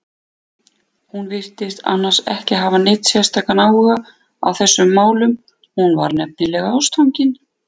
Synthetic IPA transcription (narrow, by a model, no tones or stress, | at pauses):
hunvɪr̥t̪ɪst̪a̰nːḁsɛ̰hcɪɦaːvanɪːt̪sjɛ̥st̪ʰaːkanaːwʏɣa | a̰wθɛsːʏmːaːwlʏm | hunva̰ɾnɛp̚nɪlɛːɣaawst̪ʰawŋcɪn